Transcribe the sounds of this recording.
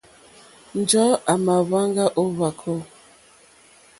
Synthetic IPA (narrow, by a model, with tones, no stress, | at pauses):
n̩˨d͡ʒɔ˦a˨ma˨βa˦ŋɡa˦ʔo˦βa˨kʰɔ˦˨